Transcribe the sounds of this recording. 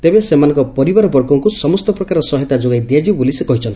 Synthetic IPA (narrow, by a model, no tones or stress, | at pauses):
t̪ebesemanɔ̃ŋkɔpɔɾibaɾɔbɔɾkɔŋkusɔmɔst̪ɔpɾɔkaɾɔsɔɦɔt̪ad͡ʒoɡajd̪iad͡ʒibolisekɔɦit͡ʃʰɔnt̪i